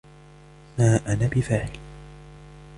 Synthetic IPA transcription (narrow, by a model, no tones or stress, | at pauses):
maːʔanaːbɪfaːħɪl